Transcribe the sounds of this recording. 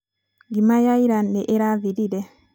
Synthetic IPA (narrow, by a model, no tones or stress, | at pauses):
ɡimajaiɾandɛʔeɾavididɛ